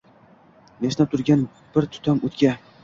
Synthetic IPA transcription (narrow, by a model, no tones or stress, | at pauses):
meʃnap̚t̪ʰʊɾɡʲan | b̥ɪɾt̪ʰʊ̥t̪ʰamot̪kʲa